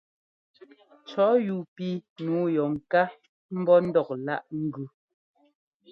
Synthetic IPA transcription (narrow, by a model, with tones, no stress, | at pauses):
t͡ʃɔ˨˦ju˨pi˦nuː˨˦jɔ˨ŋ̩˨ka˦ | m̩˦bɔ˦n̩˦dɔ˨k̚la˦˨ʔŋ̩˦ɡʉ˦